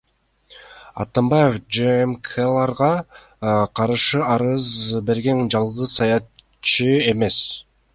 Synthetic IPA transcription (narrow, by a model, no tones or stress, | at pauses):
ɑ̰t̪ɑmbɑjefd͡ʒemkʰelˠɑɾʁɑ | qʰɑɾɯʃɯɑɾɯzbe̞ɾɡe̞nd͡ʒɑlˠʁɯzsɑjɑ | t͡ʃɯe̞me̞s